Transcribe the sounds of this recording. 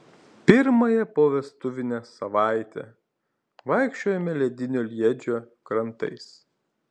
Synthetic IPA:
pʲɪɾmɐjɛpoːʋʲɛst̪ʊʋʲɪnʲɛsɐʋɑˑɪt̪ʲɛ̰ | ʋɑˑɪkʃʲt͡ʃʲoːjɛmʲɛlʲɛd̪ʲɪnʲoːlʲiɛd͡ʒʲoː | kɾɐnt̪ɐ̰ɪs

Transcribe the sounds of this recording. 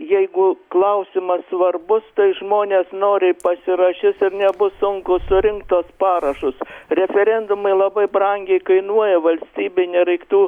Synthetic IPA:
jɛɪɡʊklˠɐʊsʲɪmɐsʋɐrbʊst̪ɐɪʒmoːnʲeːsnoːɾʲɪpɐsʲɪɾɐʃʲɪsɪrnʲɛbʊsʊŋkʊsʊɾʲɪŋkt̪uɔspɑːɾɐʃʊsrʲɛfʲɛɾʲɛnd̪ʊmɐɪlˠɐbɐɪbrɐŋʲɡʲɛɪkɐɪnuɔjɛʋɐlʲsʲt̪ʲiːbʲɪnʲɛɾɐɪkt̪uː

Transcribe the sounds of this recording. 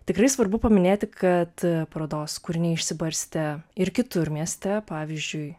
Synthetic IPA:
t̪ʲɪkɾɐɪsʋɐɾbʊpɐmʲɪnʲeːt̪ʲɪkʰɐt̪pɾoːd̪oːskʊɾʲɪnʲɛɪʃʲsʲɪbɐɾʲsʲt̪ʲɛɪɾkʲɪt̪ʊɾʲmʲiɛsʲt̪ʲɛpɑːʋʲɪzʲd͡ʒʲʊɪ

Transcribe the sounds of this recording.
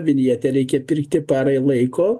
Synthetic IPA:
ʋʲɪnʲiɛt̪ʲɛɾʲɛɪkʲɛpʲɪrkt̪ʲɪpɑːɾɐɪlˠɐɪkoː

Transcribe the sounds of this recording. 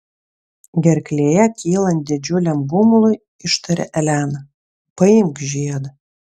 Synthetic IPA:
ɡʲɛrʲklʲeːjækʲʰiːlˠɐnʲd̪ʲed͡ʒulʲɛmbumlˠuj | iʃt̪ʰɐɾʲɛ̰ʔɛlʲæːn | pɐimɡʒijɛd̪

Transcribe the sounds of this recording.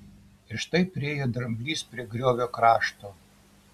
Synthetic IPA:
ɪʃt̪ɐɪpʲɾʲɪeːjɛd̪ɾɐmʲbʲlʲiːspʲɾʲiɛɡɾʲoːʋʲoːkɾɑːʃt̪oː

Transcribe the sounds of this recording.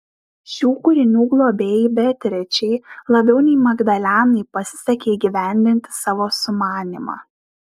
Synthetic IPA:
sʲuːkʊɾʲɪnʲuːɡlˠoːbʲɛːbʲɛt̪ʲɾʲɛt͡ʃʲɛɪlˠɐbʲɛʊnʲɛɪmɐɡd̪ɐlʲæːnɐɪpɐsʲɪ̥sʲɛkʲeːɪɡʲiʋʲæˑnʲd̪ʲɪnʲt̪ʲɪ̥sɑːʋoːsʊmɑːnʲɪmɑ̰ː

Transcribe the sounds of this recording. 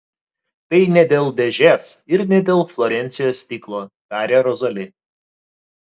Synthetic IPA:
t̪ɐɪnʲɛd̪ʲeːlˠd̪ʲɛʒʲeːsɪɾnʲɛd̪ʲeːlˠflˠɔɾʲɛnʲt̪sʲɪjoːsʲt̪ʲiːklˠoːd̪̥ɑːɾʲeːɾɔzɐlʲɪ

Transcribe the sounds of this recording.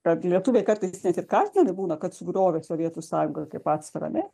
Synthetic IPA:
kɐt̪lʲiɛt̪uʋʲekɐrt̪ɐɪsnʲɛt̪ɪrkɑːzʲnʲɛnʲɪbuːnɐkɐt̪sʊɡɾoːʋʲesoːʋʲiɛt̪uːsɑːjʊŋɡɐkːkʲɛɪpɑːt̪sfɐɾɐ̰ɐ̰nʲɛ

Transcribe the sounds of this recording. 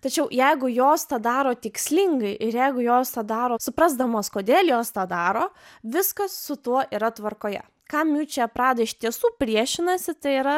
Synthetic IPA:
t̪ɐt͡ʃʲɛʊjɛɪɡʊjoːst̪ɑːd̪ɑːɾoːt̪ʲɪksʲlʲɪŋɡɐɪʔɪɾjɛɪɡʊjoːst̪ɑːd̪ɑːɾoːsʊpɾɐzd̪ɐmoːskoːd̪ʲeːlʲˠjoːst̪ɑːd̪ɑːɾoːʋʲɪskɐssʊt̪uɔʔiːɾɐt̪ʋɐrkoːjɛ̰ | kɑːmʲuːt͡ʃʲɛɐpɾɑːd̪ɐɪʃʲt̪ʲiɛsuːpʲɾʲiɛʃʲɪnɐsʲɪt̪ɐɪiːɾɐ

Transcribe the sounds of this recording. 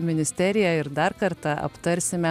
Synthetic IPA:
mʲɪnʲɪsʲt̪ʲɛɾʲɪjɛɪɾd̪ɑɾkɐɾt̪ɑʔɐ̰pt̪ɐɾʲsʲɪmʲɛ

